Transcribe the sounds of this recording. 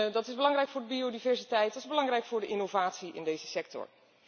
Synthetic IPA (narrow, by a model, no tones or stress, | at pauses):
dɑtɪzbəlɑŋrɛjkfʊːɹdəbiodivɛɹsitɛjt̚dɑtɪzbəlɑŋrɛjkfʊːɹdəʔɪnowvaːtsiʔɪ̰ndejzəsɛk̚tɔ̰ɹ